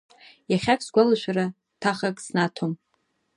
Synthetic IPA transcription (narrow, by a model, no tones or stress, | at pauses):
jaχʲakʰʼsɡʷalaʃʷᶣara | tʰaχakʼsnatʰom